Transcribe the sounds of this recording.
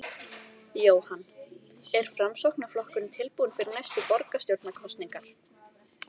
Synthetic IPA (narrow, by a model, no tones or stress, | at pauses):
joːwhanː | ɛɾ̥fɾamsowhknaflɔhkʏnt̪ʰɪlpuːnfɪɾɪɾnajst̪ʏpɔɾkast̪jowɾt̪nakʰɔst̪niŋkaɾ̥